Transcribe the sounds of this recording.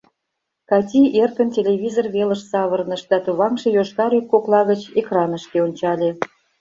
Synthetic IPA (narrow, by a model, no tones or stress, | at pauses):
kɑt̪ʲiʔerkə̆ntʲelʲeβʲizorβeləʃsɑβərnəʃd̪ɑt̪uβɑmʃejoʃɣɑɾyk̚ːoklˠɑɣət͡ɕekrɑnəʃkeonʲt͡ɕɑlʲe